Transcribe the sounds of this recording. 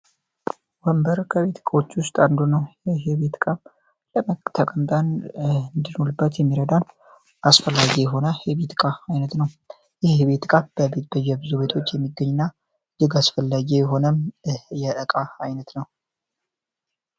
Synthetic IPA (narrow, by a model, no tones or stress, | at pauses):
wəmbəɾkʰəβet̪ʰkʼawot͡ʃːwʊst̪ʼand̪unəwjɛɦeβet̪kʼam | ləmət̪ʰəkʼəmt̪ʼanɨnd̪ɨnolɨbːət̪jɛmːiɾəd̪an | ʔasfəlːaɡijɛɦo̞nəhjɛβet̪kʼaajnət̪nəw | jɛhβet̪kʼambəbeb̥əjːɛbɨzuβe̞t̪ʰo̞t͡ʃːjɛmːiɡːəɲːɪnːa | d͡ʒɨɡasfəlːaɡijɛɦo̞nəmjɛʔəkʼaajnət̪nəw